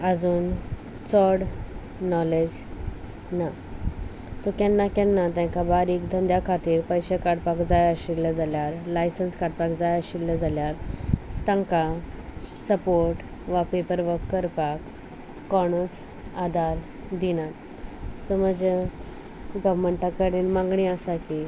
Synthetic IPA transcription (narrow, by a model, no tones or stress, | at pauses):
əd͡zuːn | t͡sɔɽ | nɔled͡ʑ | na | sokɛ̃nːakɛnːat̪ãŋkabaɾiːkd̪ʱənd̪jakʰat̪iːɾpəjɕekaɽpakd͡zajəɕilːəd͡zaljaɾlajsənskaɽpakd͡zajəɕilːəd͡zaljaɾt̪ãŋka | səpoɾʈ | ʋapepəɾʋəkːəɾpakː | ɔɳ̃ət͡s | ad̪aɾ | d̪inat̪ | səməd͡ʑə | ɡəʋməɳʈakəɽinmãŋɡɳiəsaki